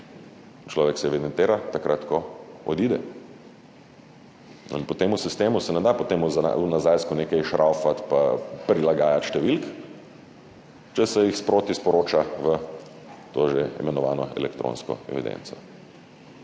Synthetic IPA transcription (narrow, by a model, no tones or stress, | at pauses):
t͡ʃlɔːʋɛksɛɛʋid̪ɛnt̪eːɾat̪akɾat̪kɔɔd̪iːd̪ɛ | ḭnpɔt̪eːmusist̪eːmusɛnɛd̪apɔt̪eːmuz̰unazajskuneːkɛjʃɾʔawfat̪papɾilaɡaːjat̪ʃt̪ɛʋilk | t͡ʃɛsɛjixspɾoːt̪ispɔɾoːt͡ʃaʋə | t̪oːʒeḭmɛnɔʋa̰ːnɔɛ̰lɛkt̪ɾo̰ːnskɔ̰ɛ̰ʋḭd̪ḛ̃nt̪sɔ